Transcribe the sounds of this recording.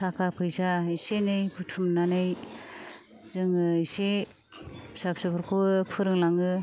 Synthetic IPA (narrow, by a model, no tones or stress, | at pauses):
sʰakʰapʰɯjzaisenɯjpʰutʰumnanɯj | zɯŋɯse | sapsɯbɯɾkʰopʰɯɾɯŋlaŋɯ